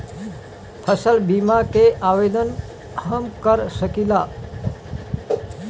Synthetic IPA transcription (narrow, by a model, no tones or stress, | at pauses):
pʰəsəlbimakeʔaʋed̪ən | ɦəmkəɾsəkila